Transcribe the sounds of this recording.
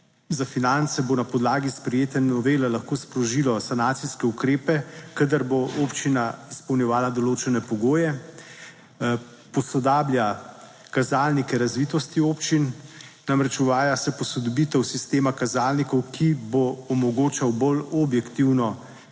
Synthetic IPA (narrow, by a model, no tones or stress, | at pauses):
zafinant̪sɛbonapɔd̪laːɡispɾɛjeːt̪ɛnɔʋeːlɛlaxkoːspɾɔʒilɔsanaːt̪siskɛukɾeːpɛkad̪əɾboʔoːpt͡ʃinaispɔwnjɛʋaːlad̪ɔloːt͡ʃɛnɛpɔɡoːjɛ | pɔsɔd̪aːblja | kazaːlnikɛɾazʋiːt̪ɔst̪ioːpt͡ʃinːamɾɛt͡ʃuʋaːjasɛpɔsɔd̪ɔbit̪ɛwsist̪eːmakazaːlnikɔwkʰiboɔmɔɡoːt͡ʃawbolɔbjɛkt̪iwnɔ